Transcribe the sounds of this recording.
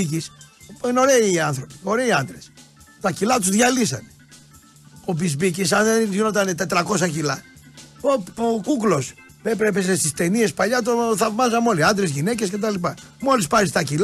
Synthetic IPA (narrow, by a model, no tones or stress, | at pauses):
icispino̞ɾe̞iɐnθɾo̞pi̥o̞ɾe̞iɐnd̪ɾes | t̪ɐcilɐt̪uzðʝɐlisɐ̰ne | opizbicisɐnðenʝino̞t̪ɐnet̪e̞t̪ɾɐko̞sɐcilɐ | ookuklo̞s | pepɾepesest̪ist̪e̞nie̞spɐʎɐt̪oθɐvmɐzɐno̞liɐnd̪ɾezʝine̞cesce̞t̪ɐlipɐ | mo̞lispɐɾist̪ɐcilɐ